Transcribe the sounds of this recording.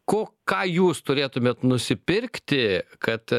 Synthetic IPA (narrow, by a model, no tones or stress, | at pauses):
koːkɑːjuːst̪ʊɾʲeːt̪ʊmʲeːt̪nʊsʲɪpʲɪɾʲkt̪ʲɪkɐt̪